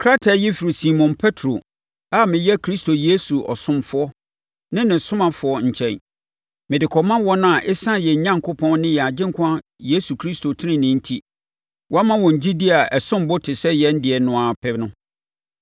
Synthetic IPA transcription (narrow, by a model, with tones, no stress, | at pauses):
kʰɾa˦tʰa˨jɛ˦fi˨ɾi˨si˨mɔ̃˨npʰɛ˦tʰɾo˨ | a˦mɪ̃˨jɛ˦kʰɾi˦sto˨je˦su˨ʔɔ̰˨sʊ̃˦mfʊ˦ɔ˦ | nɪ̃˦nɪ̃˨sʊ̃˦mã˨fʊ˨˦ɔ˦ɲ̩˨t͡ɕʰɛ̰̃˨n | mɪ̃˨dɪ˨kʰɔ˨mã˦wɔ˦nʊ̃˦a˨ʔɪ˦sã˦jɛ˨ɲ˨ɲã˦ŋkʰʊ˦pʰɔ̃˦n˦nɪ̃˦jɛ˨a˨d͡ʑɪ̃˦ŋkʰã˦je˦su˨kʰɾi˦sto˨tʰɪ˦nɪ̃˨nɪ̃˦n̩˦tʰi˦ | wɔ˦a˦mã˦wɔ̃˨ɲ̩˨d͡ʑi˦di˦a˨ɛ˨sʊ̃˦m˦bʊ˦tʰɪ˨sɛ˦jɛ˦n̩˦dɪ˨ɛ˨nʊ̃˨a˨pʰɛ˦nʊ̃˦